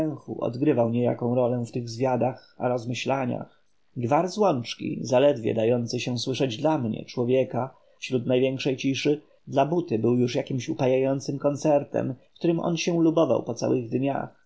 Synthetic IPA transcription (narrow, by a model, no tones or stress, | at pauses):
ɛw̃xṵʔɔ̰d̪ɡɾɘvawɲeja̰kɔ̃w̃ɾɔlɛft̪ɘɣzvʲjad̪axa̰ɾɔzmɘɕlaɲa̰x | ɡvaɾzwɔnt͡ʂkʲḭzalɛd̪vʲjɛ̰d̪ajɔnt̪sɘɕɛswɘʂɛd͡ʑd̪lamɲɛ̰t͡ʂwɔvʲjɛka | fɕɾut̪najvʲjɛŋkʂɛjt͡ɕiʂɘ | d̪labut̪ɘbɘwjuʂjakʲimɕupajajɔnt̪sɘmkɔnt̪sɛɾt̪ɛ̰mkt̪uɾɘmʔɔ̰nɕɛlubɔva̰wpɔt̪sa̰wɘɣd̪ɲa̰x